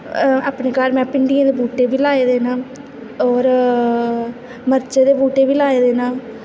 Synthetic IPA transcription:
aːpneːkaːɾmɛ̃ːpɪɳɖijãːd̪eːbuːʈeːbiːlaːeːd̪eːnaː | ɔːɾ | məɾt͡ʃed̪eːbuːʈeːʋiːlaːed̪eːnaː

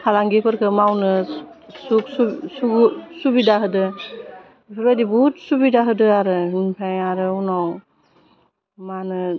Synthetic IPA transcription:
kʰalaŋɡepʰɯɾkʰɯmawnɯsuk̚susuɡsubidaɦɯdɯ | ipʰɯɾbajdibut̚subidaɦɯdɯaɾɯinpʰajaɾɯunɔw | manɯ

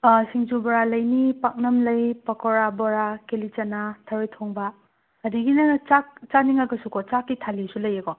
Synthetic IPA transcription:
siŋd͡ʒubɔɾalɐjnipak̚nɐmlɐjpɐkʰɔɾabɔɾakelit͡ʃɐnatʰɐɾojtʰoŋbaː | diɡinɐt͡ʃak̚t͡ʃaniŋaɡɐsukʰɔt͡ʃakːitʰalisulɐjekɔ

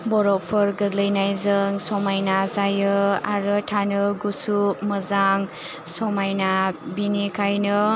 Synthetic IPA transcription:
bɔɾɔpʰɯɾɡɯɡlɯjnajzɯŋsɔmajnazajɯaɾɯtʰanɯɡusupmɯzaŋ | sɔmajnabinikʰajnɯ

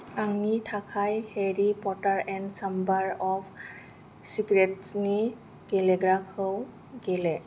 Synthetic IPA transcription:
anitʰakʰajheɹipɔtaɹɛnsambaɹɔpʰ | siɡɹɛtsni | ɡɛlɛɡɹakhəw | ɡelɛ

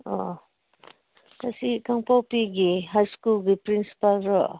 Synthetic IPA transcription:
ɔ | kasikaŋpawpiɡiɦajskulɡipɾinsi̥palɾɔʔ

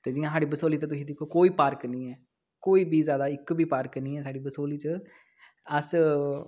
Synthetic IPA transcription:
t̪eːd͡ʒɪːjãːsaːɽiːbəsoːliːt̪eːt̪ʊsĩːd̪ɪkʰoːkoːiːpaːɾknĩːɛː | koːiːbʱiːzjaːd̪aːɪkbʱiːpaːɾknĩːɛːsaːɽiːbəsoːliːt͡ʃə | əs

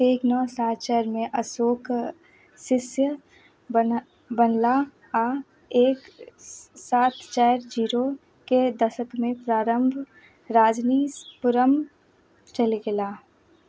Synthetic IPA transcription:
eːknɔːsaːt̪̚t͡ʃɛːɾmẽʔəsoːkʰ | sɪsjə | b | bənla | a | eːk | saːt̪t͡ʃɛːɾd͡ʒiːɾo | ked̪əʃəkmẽpɾaːɾə̃mbʱ | ɾaːd͡ʒniːspʊɾəm | t͡ʃəliɡelaː

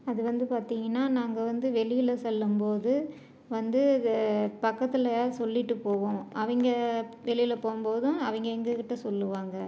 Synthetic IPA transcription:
ɐðɯʋɐnd̪ɯpaːɾt̪iːŋɡɐnːaːnaːŋɡɐʋɐnd̪ɯʋɛɭɪjɪlɐsɔlːɯmpoːðɯ | ʋɐnd̪ɯ | pɐkːɐt̪ːɪlɐjaːɾsɔlːɪʈːɯpːoːʋõːʔɐʋɐŋɡɐʋɛɭɪjɪlɐpoːmpoːðʊ̃ɐʋɐŋɡɐɛŋɡɯkɪʈːɐsɔlːɯʋaːŋɡɐ

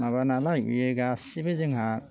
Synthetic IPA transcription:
maβanalajṵjɯɡasibɯzɯŋɦa

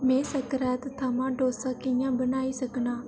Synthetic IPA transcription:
mẽːsəkɾɛːt̪t̪ʰːaːmãːɖoːsaːkɪjãːbənaːiːsɐknaː

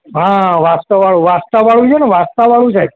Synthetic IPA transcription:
ɦãʋast̪əʋaɭũʋast̪aʋaɭũt͡ʃʰeneʋast̪aʋaɭũd͡ʒʰaj

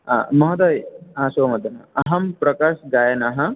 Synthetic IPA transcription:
a̰mɐɦɐd̪aːjɦãːʃoːmɐd̪ʱɐna̰ɐɦɐmpɾɐkaːʃɡaːjɐnɐɦɐ

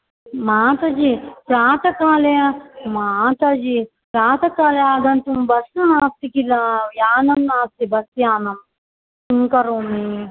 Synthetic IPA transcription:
maːt̪ɐd͡ʒipɾaːt̪ɐkaːlemaːt̪ɐd͡ʒi | pɾaːt̪ɐkaːleaːd̪ɐnt̪umbɐsunaːst̪ikilɐjaːnɐmnaːst̪ibɐst̪jaːnɐm | suŋkɐɾoːmi

